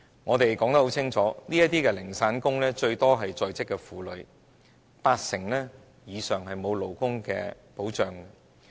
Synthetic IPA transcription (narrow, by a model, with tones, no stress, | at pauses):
ŋɔː˨˧t̪e˨jkɔː˨˥ŋɐ˥ho˨˥wt͡sʰɪ˥ŋt͡sʰɔː˨˥niː˥jɐ˥t̪iː˥kɛː˧lɪ˨˩ŋsaː˨˥nkʊ˥ŋlɛː˥t͡ʃɵ˧ɥt̪ɔː˥ɦɐ˨jt͡sɔː˨˧jt͡sɪ˥kːɛː˧fuː˨˧lɵ˨˧ɥ | paː˧t̚sɪ˨˩ŋlɛː˥ | jiː˨˧sœː˨ŋɦɐ˨jmo˨˧wlo˨˩wkʊ˥ŋkɛ̰ː˧ | po˨˥wt͡ʃœː˨ŋ